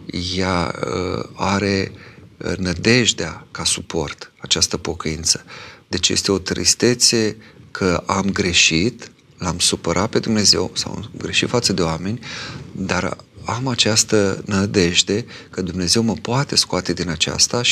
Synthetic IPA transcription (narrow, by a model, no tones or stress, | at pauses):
jaə̰aɾe̞ | nəd̪e̞ʒd̪eakasupo̞rt̪at͡ʃast̪əpo̞kəint̪sə̥d̪̥e̞t͡ʃjḛst̪e̞o̞t̪ɾḭst̪e̞t̪se̞kʰəʔamɡɾe̞ʃit̪ | lamsupəɾʔat̪̚pe̞d̪umne̞ze̞̰wsa̰w̰ɡɾe̞ʃit̪fat̪səd̪e̞oame̞nʲd̪aɾamat͡ʃast̪ənəd̪e̞ʒd̪e̞ | kəd̪umne̞ze̞wməpoat̪e̞skoat̪e̞d̪inat͡ʃa̰st̪aʃ